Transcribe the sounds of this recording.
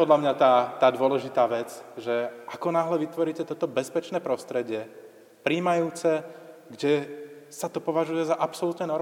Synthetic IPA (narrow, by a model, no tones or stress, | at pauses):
pɔd̪lamɲat̪aːt̪aːd̪ʊɔlɛʒit̪aːʋɛt͡sʒɛakɔnaːɦlɛʋit̪ʋɔɾiːcɛt̪ɔt̪ɔbɛspɛt͡ʃnɛːpɾɔst̪ɾɛɟɪɛ | pɾiːmajuːt͡sɛ | ɡɟɛsat̪ɔpɔʋaʒujɛzaʔapsɔlut̪nɛnɔɾ